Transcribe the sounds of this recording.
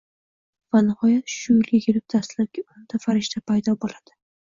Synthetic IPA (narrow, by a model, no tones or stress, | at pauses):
vanɪhɒjat̪ʃʊjɪljeɡʲɪlɪb̚d̪̥ʰast̪laɾ̚ɡʲaʊnd̪̥afaɾɪʃt̪ʰapʰajd̪ɒbolad̪̥ɪ